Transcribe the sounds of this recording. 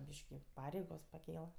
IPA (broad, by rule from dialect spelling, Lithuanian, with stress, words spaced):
ˈbʲiːʃʲkʲɪ ˈpɑːrʲɛɪɡoːs pɐˈkʲeːlˠɐ